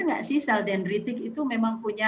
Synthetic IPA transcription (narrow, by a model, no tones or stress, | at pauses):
ŋɡa̰ʔsɪhsaldɛnrit̪ɪkit̪umemaŋpuɲa